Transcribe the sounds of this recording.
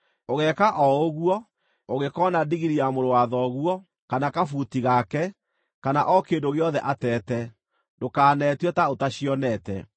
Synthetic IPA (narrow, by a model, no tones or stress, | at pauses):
oɣɛkaʔɔoɣuɔ | oɣekɔnadiɣiɾiamoɾowaðɔɣwɔ | kanakafutiɣakɛ | kanaʔɔkeːndoɣeɔðɛʔatɛːtɛ | dokaːnɛtwɛtaotaɕijɔnɛtɛ̰